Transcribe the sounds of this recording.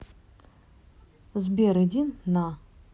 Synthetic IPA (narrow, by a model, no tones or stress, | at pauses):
zbʲeɾɨd̪ʲinːa